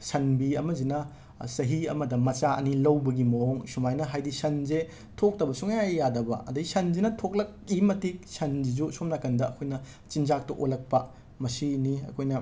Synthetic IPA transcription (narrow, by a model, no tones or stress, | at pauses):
sɐnbiɐmɐzinɐ | sɐɦiɐ̰mɐdɐmɐt͡ʃaʔɐ̰nilɐwbɐɡimɐɦoŋsumajnɐɦajdisɐnze | tʰok̚tɐbɐsuŋjajadɐbɐ̰ʔɐ̰dɐisɐnzinɐtʰok̚lɐk̚imɐtik̚sɐnd͡ʒizusomnakɐndɐːkʰojnɐ | t͡ʃind͡ʒak̚tɐʔojlɐk̚pɐ | mɐsiniɐ̰kʰojnɐ